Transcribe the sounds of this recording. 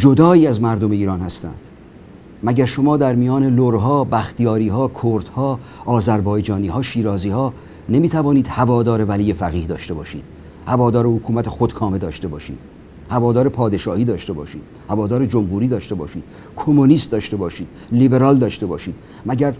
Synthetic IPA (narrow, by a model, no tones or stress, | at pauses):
d͡ʒo̞d̪ɒːiːæzmæɾd̪o̞meiːɾɒːnhæst̪æ̰nd̪̥ | mæɟæɾʃo̞mɒːd̪æɾmijɒːne̞loɾɦɒːbæxt̪ʰijɒːɾiːɦɒːkʰoɾd̪hɒː | ɒːzæɾbɒːjd͡ʒɒːniːhɒːʃiːɾɒːziːhɒː | ne̞miːt̪ʰævɒːniːd̪̥hævɒːd̪ɒːɾe̞væliːjefæɣiːhd̪ɒːʃt̪e̞bɒːʃḭːd̪̥ | hævɒːd̪ɒːɾehokʰuːmæt̪ʰexod̪kʰɒːmed̪ɒːʃt̪e̞bɒːʃḭːd̪̥ | hævɒːd̪ɒːɾe̞pʰɒːd̪e̞ʃɒːhiːd̪ɒːʃt̪e̞bɒ̰ːʃiːd̪̥hævɒːd̪ɒːɾed͡ʒomhuːɾiːd̪ɒːʃt̪e̞bɒ̰ːʃiːd̪̥ | kʰo̞moniːst̪̚d̪ɒːʃt̪e̞bɒːʃiːd̪̥libe̞ɾɒːld̪ɒːʃt̪e̞bɒːʃiːd̪̥ | mæɟæɾ